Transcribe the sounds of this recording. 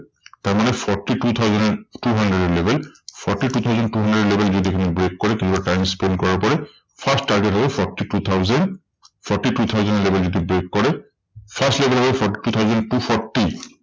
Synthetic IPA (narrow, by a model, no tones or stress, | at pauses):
taɹmanɛpʰɔɹʈitut̪ʰawzɔntuɦandɹeɾɛlebʱɛlpʰɔɹʈitut̪ʰawzɔntuɦandɹeɖɛlebʱɛlzodikʰinibɹekːɔɹɛkĩubatajmspend̚kɔɹaɹpɔɹɛ | pʰastːaɹɡetɦɔbɛpʰɔɹʈitut̪ʰawzɛn | pʰɔɹʈːiʈut̪ʰawzɔnɔlebɛlzodibɹekːɔɹɛ | pʰastlebɛlɦɔbɔbɛpʰɔɹʈi̥ʈut̪ʰawzɔntupʰɔɹti